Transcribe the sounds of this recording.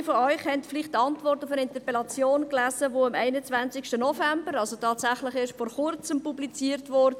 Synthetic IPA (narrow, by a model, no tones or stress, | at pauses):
fɔœʏχhɛntflɪχtːɑntvɔrtʊfənɪntəɾpɛlɑt͡sjoːnklæːzəʋoːɑmɛɪnət͡svænt͡sɪkʃtənɔfɛmbəɾɑlsotʰɑːtsæχlɪχɪʃfɔːɾχʊrt͡səmpublit͡siːɾtvɔɾdə